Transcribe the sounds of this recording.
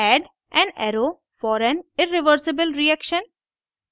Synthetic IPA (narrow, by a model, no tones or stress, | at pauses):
ɛɖ | ʔɛ̃nɛ̰ɾoː | fɔːɾɛ̃nɪɾɪʋəɾsɪbəlɾiɛkʃə̃n